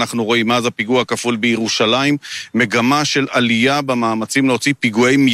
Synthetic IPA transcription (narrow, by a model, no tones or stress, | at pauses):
naχnuʁo̞imazapiɡuakafulbejeʁuʃalaimːe̞ɡamaʃe̞lalijabemaːmat͡simleo̞t͡sipiɡuajm